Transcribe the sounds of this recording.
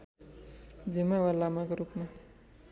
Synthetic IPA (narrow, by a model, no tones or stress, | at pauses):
d͡zimawalamakoɾupma